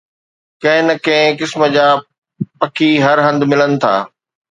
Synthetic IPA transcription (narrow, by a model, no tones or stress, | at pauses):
kɐ̃ɦɪ̃nɐkɐ̃ɦɪ̃kɪsmə̆d͡ʑaː | pɐkʰiɦɐɾɦɐ̃nd̪mɪlənɪ̆t̪ʰa̰ː